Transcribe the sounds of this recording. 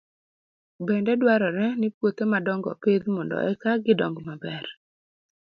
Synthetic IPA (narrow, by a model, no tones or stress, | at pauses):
bɛndɛdwaɾɔɾɛnɪpwot̪emadɔŋɡɔ̰ped̪mɔndɔ̰ʔɛkaɡɪdɔŋɡmabɛr